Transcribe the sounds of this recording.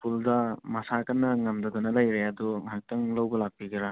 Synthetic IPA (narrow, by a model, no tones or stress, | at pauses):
puldɐmɐsakɐnːɐŋɐmdɐdunɐlɐjɾeɐdumɐɦak̚tɐŋlɐwbɐlak̚piɡiɾa